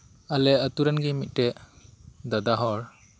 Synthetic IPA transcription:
alɛət̪uɾɛnɡimit̪̚ˀʈɛʔ | d̪ad̪aɦɔɾ

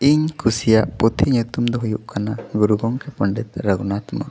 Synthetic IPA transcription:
iɲkʰusijaʔpɔt̪ʰiɲut̪umd̪ɔɦujuʔkanaɡuɾuɡɔŋkɛpəɳɖɛt̪̚ɾəɡunat̪umɔ̰ɾ

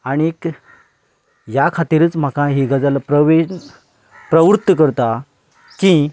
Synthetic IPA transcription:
aɽ̃iek | jakʰat̪iɾəːt͡sm̤akãɦiɡad͡zalapɾəʋe | pɾəʋɾut̪ːəkəɾt̪a | ki

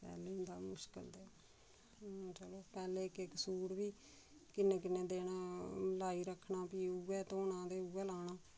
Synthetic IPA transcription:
pɛ̰ːleːʊ̃nd̪a̰ːmʊʃkə̰ld̪eː | t͡ʃəloːpɛːleːkekəsuːɾʋiː | kɪnːẽːk̬ɪnːẽːd̪eːnaːlaːiːɾəkʰːnaːpiːuɛːt̪oːnãːd̪eːuːɛːlaːnaː

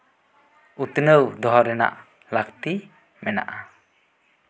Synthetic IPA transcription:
ut̪ənəwd̪ɔɦɔɾɛna̰ʔ | lak̚t̪i | mɛna̰ʔa

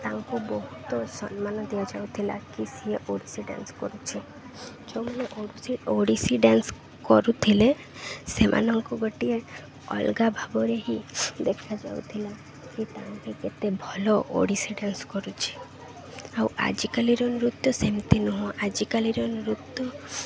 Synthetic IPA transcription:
t̪aŋkubɔɦut̪ɔsɔnmanɔd̪ijad͡ʒaut̪ʰila̰kisieʔoɽisiɖa̰nskɔ̰ɾut͡ʃʰi | d͡ʒɔməneʔoɾusioɽisiɖans | kɔɾut̪ʰile | semʔa̰nɔŋkɔɡɔʈie | ɔ̰lɡabʱabɔɾeɦid̪ekʰad͡ʒa̰ṵt̪ʰila | kit̪aɦãkeket̪ebʱɔloʔo̰ɽisiɖanskɔɾut͡ʃʰi̥ | awa̰d͡ʒikaliɾɔnɾut̪ːɔsemt̪inɔɦɔ̃ʔad͡ʒikaliɾɔnɾut̪ːɔ

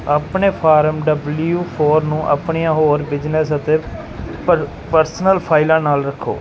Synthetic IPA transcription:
əpɳeːpʰaːɾəmɖəbljuːpʰoːɾnũːʔə̰pɳijãːɦoːɾbɪd͡ʒnəsət̪eː | pəɾsnəlpʰaːɪlãːnaːlɾəkʰːo̰ː

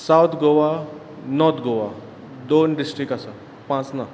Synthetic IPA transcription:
sawt̪ʰɡoʋa | nɔt̪ʰɡoʋa | d̪onɖisʈɾikasa | pãt͡sna

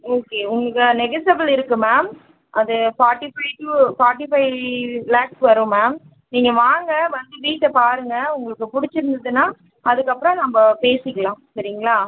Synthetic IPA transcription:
oːkeːʊŋɡɐɭkːɐnɛɡɐsɐbɐlɪɾɯkːɯmaːm | ʔɐðɯfaːʈɪfɐɪʈɯfaːʈɪfɐɪlaːksʋɐɾɯ̃maːm | niːŋɡɐʋaːŋɡɐʋɐnd̪ɯʋiːʈːɐpaːɾɯŋɡɐʊŋɡɐɭɯkːɯpʊɽɪt͡ʃːɪɾɯnd̪ɐðɯnːaː | ɐðɯkːɐpːɯɾɔ̃nɐmbɐpeːsɪkːɐɭãːsɐɾɪŋɡɐɭaː

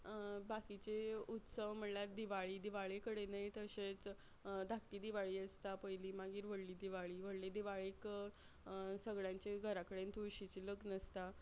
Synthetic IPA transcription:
bakit͡ɕeut̪səʋm̤əɳljaɾd̪iʋaɭiːd̪iʋaɭekəɽenəjt̪əɕet͡s | d̪ʱakʈiːd̪iʋaɭiːəst̪apəjliːmaɡiːɾʋəɽliːd̪iʋaɭiːʋəɽlid̪iʋaɭek | səɡɭjãɲt͡ɕeɡʱəɾakəɽent̪uɾɕit͡ɕiləɡnəst̪a

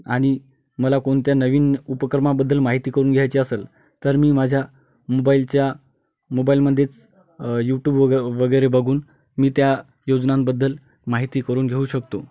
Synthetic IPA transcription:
aɽ̃i | məlakoɳ̃t̪janəʋiːnupəkɾmabəd̪ʱːəlmaɦit̪iːkəɾuːnɡʱjajt͡ɕiəseːl | t̪əɾmiːmad͡ʑʱja | mobailt͡ɕja | mobailməd̪ʱːet͡s | juʈjuːbʋəɡəjɾebəɡʱuːn | miːt̪ja | jod͡znãmbəd̪ːəl | maɦit̪iːkəɾuːnɡʱeuːɕəkt̪o

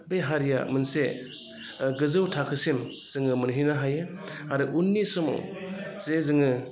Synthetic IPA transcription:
beɦaɾija̰mɯnse | ɡɯzɯwtʰakʰɯsin | z̥ɯŋɯmɯnɦinaɦajɯaɾɯʔunːisɔmo̰zezɯŋɯ

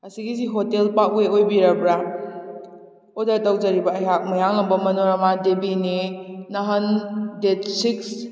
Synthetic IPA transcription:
ɐsiɡis̬iɦotelpaʔweojbiɾabɾa | odɐɾtawzaɾibɐːjɦak̚mɐjaŋlɐmbɐmɐnoɾɐmadebininɐɦɐndetsiks

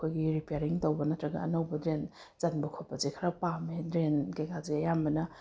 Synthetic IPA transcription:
kʰojɡiɾipeaɾiŋtowbɐnɐtɾɐɡɐ̰ɐ̰nɐwbɐdɾen | z̥ɐnbɐkʰopːɐzekʰaɾapamedɾenkejkazeɐjambɐnɐ

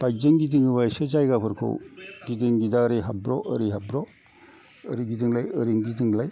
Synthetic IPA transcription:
b̥ajzɯŋɡidiŋɯbajsɯzajɡapʰɯɾkʰo̰wɡidɯŋɡidaɾiɦabɾɔ̰ʔəɾiɦabɾɔ | əɾiɡidɯŋlajɯɾiŋɡidɯŋlaj

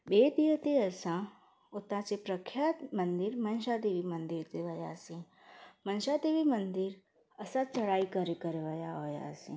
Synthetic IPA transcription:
ɓeːd̪iət̪eəsã | ʊt̪ãt͡ʃepɾəkʰjaːt̪mənd̪ɪɾmənʃad̪eʋimə̃nd̪ɪɾt̪eʋəja̰sĩ | mənʃad̪eʋimənd̪ɪɾ | əsãt͡ʃəɽaːikəɾekəɾeʋəjaɦoːja̰sĩ

